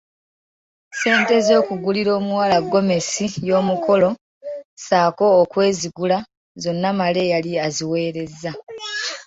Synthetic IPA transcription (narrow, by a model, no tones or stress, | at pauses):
se̞ːnte̞zo̞ːkuɡuliɾo̞ːmuwaːlaɡːo̞me̞sijo̞ːmukʰo̞lo̞ | saːko̞ːkwe̞ːziɡula | zo̞nːamale̞jaliaziwe̞ːɾe̞zːa